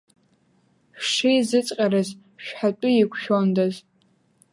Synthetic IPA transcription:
ʂijzɨt͡sʼqʲʼarɨz | ʃᶣħatʷʼʊjikʷʰʃᶣondaz

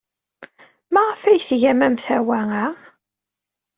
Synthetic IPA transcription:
mæʁəfæjθʝæmæmθæwæŋæ

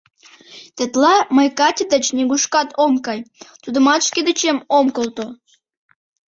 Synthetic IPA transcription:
t̪ĕt̪lɑməjkɑt̪ʲid̪ət͡ɕnʲeɡuʃkɑt̪ʰomkɑjt̪ud̪ə̆mɑt̪ʃked̪et͡ɕemomkəlt̪o

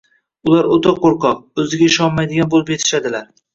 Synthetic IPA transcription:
ʊlˠaɾot̪ʰɑqːoɾqʰɒq̚ɵzɪɡʲaɪʃɒnmajd̪ɪɡʲanbolˠɪpjet̪ʰɪ̥ʃad̪ɪlaɾ

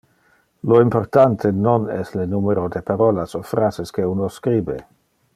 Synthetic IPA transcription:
loimpoɾt̪ant̪ʰenonɛslenumeɾod̪epaɾolasofɾazeskeunoskɾiːbḛ

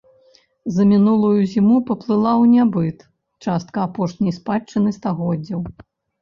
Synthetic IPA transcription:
zɐmʲinulˠujuzʲimupɐplˠɨlˠawnʲabɨt̪ | t͡ʂast̪̚kɐːpɔʂnʲɐjspaɨnɨst̪aɣɔdd͡zʲːɐw

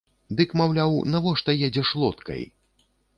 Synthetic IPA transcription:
d̪ɨkmawlʲawnavɔʂt̪ɐjɛd͡zʲɛʂlˠɔt̪kɐ̰j

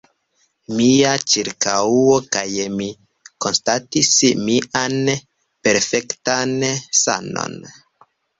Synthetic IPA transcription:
miat͡ʃiɾkauokajmi | ko̞nstatismiʔan | pe̞ɾfektansa̰no̰n

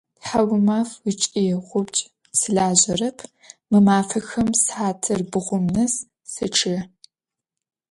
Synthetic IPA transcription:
tħawʊmaːfwit͡ʃʼiɛʁʷʊpt͡ʃʼ | sɨɮaːʑɐrɐpʰ | mɨmaːfɐxɐmsħaːtʰɨrbɨʁʷʊmnɐs | sɨʈ͡ʂʰɨ

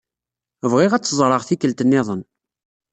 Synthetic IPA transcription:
əvʁɪʁæt͡sːəzˤɾˤəʁθikːəlt̪ənːɪðˤən

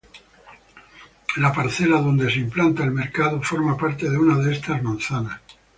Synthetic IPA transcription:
lapaɾθe̞laðo̞nd̪es̬implant̪aelme̞ɾkaðofo̞ɾmapaɾt̪e̞ð̞eunaðeest̪azmõnθanas

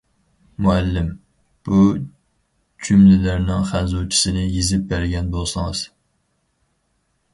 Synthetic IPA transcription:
muælːɪm | b̥u | t͡ʃʰymlɪlæɾnɪŋχænzot͡ʃʰi̥sɪnɪjezɪp̚bæɾɡʲɛnbolˠsɨŋɨz̥

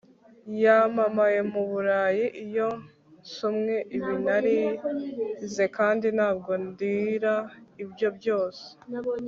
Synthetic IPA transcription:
jamamaje̞muβuɾaːjiʔijo̞ | sumŋe̞ʔiβinaɾi | ze̞kaːndinhaːb̚ɡo̞ndiɾaibjo̞bjo̞ːse̥

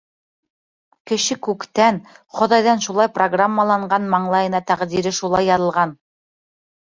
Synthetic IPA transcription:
kɘ̆ʃɘkʉkt̪ænχŏðɑjðɑnʃulˠɑjproɡramːalˠɑɴɢɑnmɑɴlˠɑjɤ̆nɑt̪æʁd̪iɾɘʃulˠɑjːɑðɤ̆lˠʁɑn

